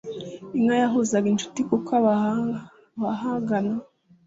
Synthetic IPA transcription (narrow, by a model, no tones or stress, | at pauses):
iŋajaɦozaɡint͡ʃu̥tikokʰaβa | βaɦaŋɡana